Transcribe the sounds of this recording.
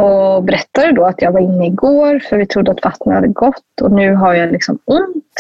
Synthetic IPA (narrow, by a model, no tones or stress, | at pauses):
ɔbɛɾɛt̪ːad̪ɛd̪ɔat̪jɑːɡvaɾɪnːəɪɡoːɾfœɾvɪt̪ʰɾʊd̪ːəat̪vat̪nəha̰d̪ːəɡɔt̪ːɔ̰nʉ̟ːɦaɾjaɛnlɪksɔ̰mɵnt̪